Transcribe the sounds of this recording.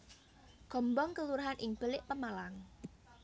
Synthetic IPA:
ɡ̥ɔ̤mbɔŋkəluɾaɦanʔɪŋb̥ə̤lɪʔpəmalaŋ

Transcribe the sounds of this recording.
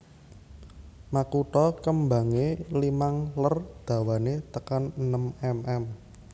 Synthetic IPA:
makuʈɔkəmba̤ŋelimaŋlərd̪̥a̤wanet̪əkanənəmɛmʔɛm

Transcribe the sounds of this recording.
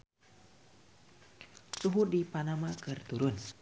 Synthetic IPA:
suɦudipanamakɨrt̪uɾʊn

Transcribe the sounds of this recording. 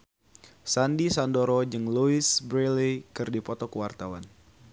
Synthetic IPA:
sandisandoɾɔd͡ʒɨŋluɪsbɾelekɨrdipɔt̪ɔkəwart̪awan

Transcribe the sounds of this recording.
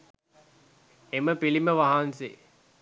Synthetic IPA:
eməpiliməʋaɦansḛ

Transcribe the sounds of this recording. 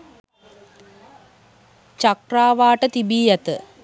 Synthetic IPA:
t͡ʃɐkraːʋaːʈət̪ibiːjɐt̪ə

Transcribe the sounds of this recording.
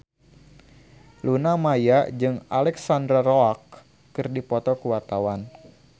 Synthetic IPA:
lunamajad͡ʒɨŋalɛksandɾaɾoak̚ː | ɨrdipɔt̪ɔkuwart̪awan

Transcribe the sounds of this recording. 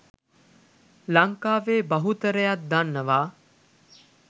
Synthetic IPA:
laŋkaːʋeːbɐɦut̪əɾəjat̪̚d̪anːəʋaː

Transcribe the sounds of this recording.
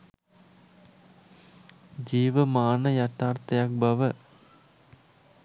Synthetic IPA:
d͡ʒiːʋɐmaːnɐjɐt̪ːaːɾt̪ɐjak̚bɐʋɐ

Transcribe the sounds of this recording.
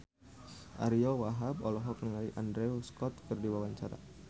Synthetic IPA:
ʔa̰ɾiɔwaɦab̚ɔlɔɦɔk̚nəŋaliʔandɾɛuskɔt̪kərdiwawaɲt͡ʃaɾa̰

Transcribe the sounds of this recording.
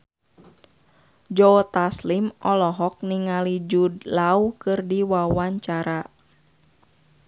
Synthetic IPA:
d͡ʒot̪aslimʔɔlɔɦɔk̚niŋalid͡ʒudlaukɨrdiwawaɲt͡ʃaɾa

